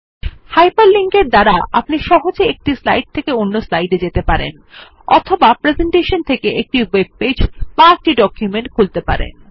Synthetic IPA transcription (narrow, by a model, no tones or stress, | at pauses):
hajpaɾliŋkeɾd̪aɾaʔa̰pniʃɔɦod͡ʑeek̚ʈislajɖ̚t̪ʰekeonːoslajɖed͡ʑet̪epaɾḛn | ɔ̰t̪ʰobapɾezeɳʈeʃont̪ʰekeʔek̚ʈiweb̚ped͡ʑbaek̚ʈiɖɔkjumeɳʈkʰult̪epa̰ɾḛn